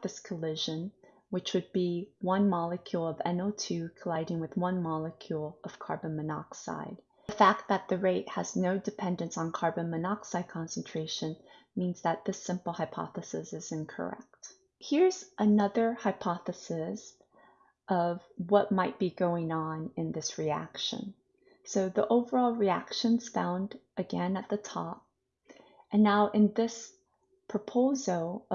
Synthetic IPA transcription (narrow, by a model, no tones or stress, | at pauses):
ðɪskʰəlɪʒɨ̃n | wɨt͡ʃwɨd̚biwʌ̃nmɑlˠɨkʰjulˠʌvɛ̰̃noʊtʰʉkʰəlaɪɾɪ̃ŋwɨðwʌ̃nmɑlˠəkʰjulˠʌv̥kʰɑ̰ɹbɨ̃mɨnɑ̰ksa̰ɪd̥̚ | fæk̚t̪̚ðɨt̪̚ðɨɹeɪt̚hɨ̰znoʊdɨpʰɛ̃ndɨ̃nsn̩kʰɑɹbɨ̃mɨnɑksaɪd̚kʰɑ̃nsn̩tʰɹ̥eɪʃɨ̃n | mĩnzðɨt̪̚ðɨsɪ̃mpl̩ˠhaɪpʰɑ̰θɨsɨsɨzɪ̃nkʰə̰˞ɛ̰k̚t̚ | hiɹz̥ʔɨnʌðə˞haɪpʰɑθɨsɪs | ʔʌvwʌt̚maɪt̚b̥iɡoʊɪ̃ŋə̃nɨ̃nðɪsɹiæ̰kʃɨ̰̃n | soʊðiʔoʊvə˞ɔlˠɹiæ̰kʃɨ̃nz̥fãʊ̃ndʔɨɡɛ̃nɨt̪̚ðɨtʰɑp̚ | ʔɨ̃nːaʊʔɨ̃nðɪs | pʰɹ̥ɨpʰoʊzl̩ˠ